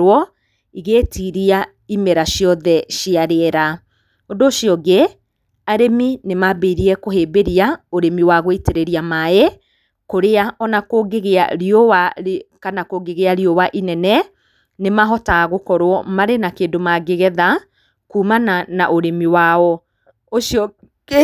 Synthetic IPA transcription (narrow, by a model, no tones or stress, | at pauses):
ɔ | iɣeːtiɾia | imɛɾaʃjɔðɛʃiaɾeɛɾa | ondoʃiɔɡe | aɾeminemabeɾiɛkoɦeːbeɾiaoɾemiwaɣoiteɾeɾiamae | koɾeaʔɔnakoɡeɣea̰ɾiowakanakoɡeɣeaɾiowaʔinɛnɛ | nemaɦɔtaɣokɔɾwɔmaɾenakeːndomaɡeɣɛða | kuːmananaʔoɾemiwaɔ | oʃiɔ